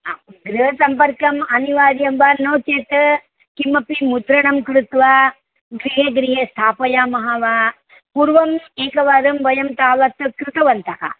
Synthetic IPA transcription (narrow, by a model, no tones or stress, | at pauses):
aɡɾuɦɐsɐmpɐɾkɐmɐniʋaːɾjɐmbaːnɐwt͡ʃeːt̪ɐ | kimɐpimud̪ɾɐɳɐmkɾut̪ʋaː | ɡɾiɦeːɡɾiɦeːst̪ʰaːpɐjaːmɐɦaʋaː | puɾʋɐmeːkɐʋaːɾɐmʋɐjɐmt̪aːʋɐt̪kɾɪt̪ɐʋɐnt̪ɐka̰ː